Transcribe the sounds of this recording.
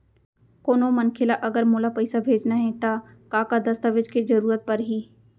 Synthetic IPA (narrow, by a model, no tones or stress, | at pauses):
koːnomɐnkʰelaʔɐɡəɾmoːlapɐɪsabʱeːd͡ʒnaɦɛt̪a | kaːkad̪ɐst̪aʋɪd͡ʒkezɐɾuːɾət̪̚pɐɾɦiː